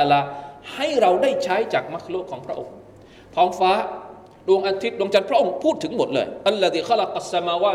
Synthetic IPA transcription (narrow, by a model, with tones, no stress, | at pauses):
laː˧ha˥˩jɾa˧wdaː˥˩jt͡ɕʰaː˦˥jt͡ɕaː˨˩k̚ma˦˥kʰloː˥˩kʰːɔː˩˦ŋpʰɾa˦˥ʔo̰˧ŋ | t̪ʰɔː˩˦ŋfaː˦˥ | du˧əŋʔa˧t̪ʰi˦˥t̪̚ɗu˧ŋt͡ɕa˧npʰɾa˦˥ʔo˧ŋpʰuː˥˩t̪ʰːɯ˩˦ŋmo˨˩t̪̚lɤ̰ː˧jʔa˧lːa˧ðiː˨xa˦lɑ˨qʔa˨sːa˧maː˧waː˧